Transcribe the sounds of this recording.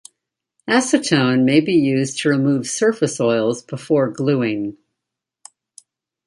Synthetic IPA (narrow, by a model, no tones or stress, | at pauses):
æsɨtʰõʊ̃nmeɪbijʉztʰɨɹɨmuv̥sɜ˞fɨsɔɪlˠzbəfɔɹɡlʉɪ̃ŋ